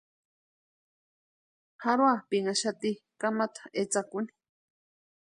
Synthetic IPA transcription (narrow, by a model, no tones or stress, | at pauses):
haɾwapiŋaʃat̪ikamat̪ʰḁet͡sakuni̥